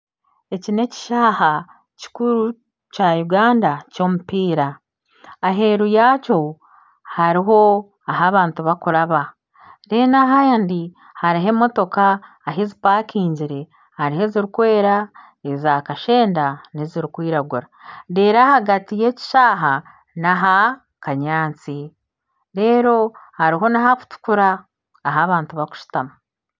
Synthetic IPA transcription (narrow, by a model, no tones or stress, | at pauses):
e̞cine̞ci̥ʃaːha | ci̥kuɾu | cajuɡaːndaco̞ːmupiːɾaː | ɦe̞ɾujaːco̞ | haɾiɦo̞ | aɦaβaːntuβakuɾaβa | ɾenaɦajandi | haɾiɦe̞mo̞to̞kaː | ɦezipaːkiːɲɟiɾe̞ | haɾiɦe̞ziɾikwe̞ːɾa | ezaːkaʃe̞ːndaneziɾikwiːɾaɡuɾadeːɾahaɡatije̞ci̥ʃaːɦa | naɦa | kaɲaːnt͡si | ɾe̞ːɾo̞haɾiɦo̞naɦaku̥tu̥kuɾaː | ɦaβaːntuβaku̥ʃi̥tamu